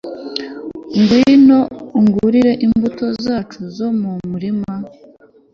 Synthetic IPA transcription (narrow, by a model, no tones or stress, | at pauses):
ŋɡwino̞uŋɡuɾiɾe̞ʔimbuto̞zaːt͡ʃuzo̞mumuɾima